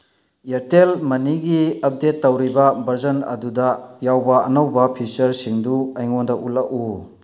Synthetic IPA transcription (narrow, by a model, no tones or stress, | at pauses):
eɾtelmɐniɡiɐp̚detːɐwɾibɐbʱɐɾzɐnɐ̰dudɐjawbɐɐ̰nɐwbɐpʰisɐɾsiŋduɐjŋondɐulaku